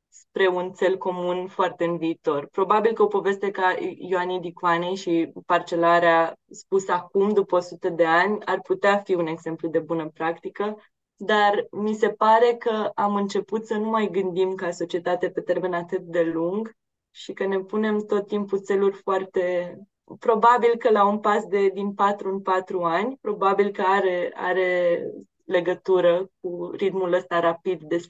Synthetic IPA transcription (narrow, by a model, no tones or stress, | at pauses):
spɾe̞unt̪se̞lko̞munfoart̪e̞ɨnviːt̪o̞rpɾo̞babilkəo̞po̞ve̞st̪e̞kaioaned̪ikuanejʃipart͡ʃe̞laɾeaspusakumd̪upəosut̪əd̪e̞anʲa̰rput̪eafiune̞ɡz̥e̞mplud̪e̞bunəpɾakt̪ikə | d̪armise̞paɾe̞kəamɨnt͡ʃe̞put̪sənumajɡɨnd̪imkaso̞t͡ʃie̞t̪at̪eape̞t̪e̞ɾme̞nat̪ɨt̪̚d̪e̞luŋɡ | ʃikəne̞pune̞mt̪o̞t̪ːimput̪se̞lurʲfoart̪e̞ | pɾo̞babilkəlaunpasd̪e̞d̪inpat̪ɾuɨnpat̪ɾuanʲpɾo̞babilkəaɾe̞a̰ɾe̞ | le̞ɡət̪uɾək̚uɾit̪muləst̪aɾapid̪ːe̞s